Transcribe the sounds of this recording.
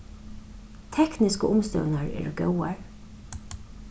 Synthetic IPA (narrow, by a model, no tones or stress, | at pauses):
t̪ʰɛknɪskəʊmst̪œ̰wnaɹɛ̰ːɹəɡœwaɹ